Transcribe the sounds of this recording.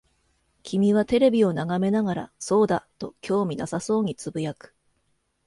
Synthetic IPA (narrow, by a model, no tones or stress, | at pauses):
kʲimʲiβ̞at̪e̞ɾe̞bʲio̞naɡame̞naɡaɾa̰so̞ːd̪at̪o̞kʲo̞ːmʲinasaso̞ːɲ̟it͡sɨbɯ̟jakɯ̥